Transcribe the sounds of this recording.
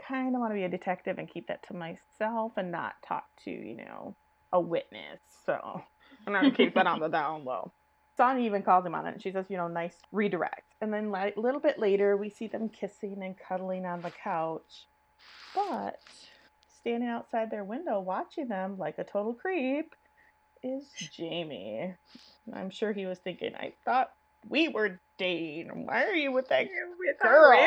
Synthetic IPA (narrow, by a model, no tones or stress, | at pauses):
kʰãɪ̃ndəwɑ̃nɨbiɨdɨtʰɛk̚tɨvɨ̃nkʰip̚ðɨ̰tʰəmaɪsɛlˠfɨ̃nːə̰tʰɔ̰k̚tʰɨ̰jɨ̰no̰ʊ | ʔəwɪtⁿnɨ̰sːo̰ʊ | ãnəɨkʰip̚ðɨɾn̩ðədãʊ̃nwo̰ʊ | sɑ̃niivɨ̃nkʰɔzɪ̃ŋmə̰̃nɨ̰tn̩ʃizd͡ʒʌstjɨnoʊnaɪsɹidə˞ɛ̰k̚tɨ̃nðɨ̃nlaʔlɪɾl̩ˠbɪʔˡleɪɾə˞wisiðɨ̃mkʰɪsɪ̃ŋɨ̃nkʰʌɾl̩ˠɪ̃ŋə̃nðɨkʰaʊt͡ʃ | b̥ʌt̚ | stæ̃ndɪ̃ŋaʊtsaɪd̪̚ðə˞wɪ̃ndoʊwɑt͡ʃɪ̃ŋðɨ̃mlaɪkɨtʰoʊɾl̩ˠkʰɹ̥ip | ɪzd͡ʒẽɪ̃mḭ | ã̰ɪ̃mʃʊɹiwʌz̥θɪ̃ŋkɪ̰̃ŋa̰ɪθɔt̚ | wiwə˞d̥eɪɪ̃ŋmɜ˞iwɨðɨt̚ɡiɡ̥ɜ˞lˠ